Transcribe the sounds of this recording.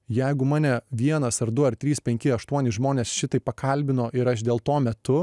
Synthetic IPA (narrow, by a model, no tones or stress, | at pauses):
jɛɪɡʊmɑːnʲɛʋʲiɛnɐsɐɾd̪ʊɐrt̪ʲɾʲiːspʲɛŋʲkʲɪɐʃt̪uɔnʲɪʒmoːnʲeːsʃʲɪt̪ɐɪpɐkʰɐlʲbʲɪnoːʔɪɾɐʃd̪ʲeːlˠt̪oːmʲɛt̪ʊ